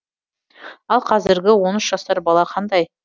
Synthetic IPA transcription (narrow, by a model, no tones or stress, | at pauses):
ɑlˠqʰɑzɪɾɡʲɪwo̞nʏʃʒ̥ɑst̪ɑɾbɑlˠɑqʰɑnd̪ɑj